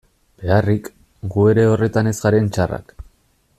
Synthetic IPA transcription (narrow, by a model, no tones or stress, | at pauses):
b̥e̞arik | ɡue̞ɾe̞o̞re̞t̪ane̞zɣaɾe̞nt͡ʃara̰k